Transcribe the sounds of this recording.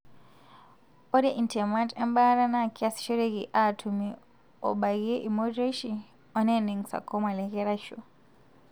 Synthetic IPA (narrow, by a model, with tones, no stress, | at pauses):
ɔ˦dɛ˦˨ʔi˨ntʰɛ˨ma˦ntɛ˦mba˦ɾa˦na˦˨kʰia˦si̥ʃɔ˦ɾe˦ɣi˨ʔa˨tʰu˨mi | ɔ̰˨ɓa˨ɣi˦ʔi˨mɔ˦dɾe˦ʃi | ɔ˦nɛ˦ne˨ŋsa̰˨kɔ˦ma˨lɛ˨ɣɛ˦ɾa˦ʃo̰˨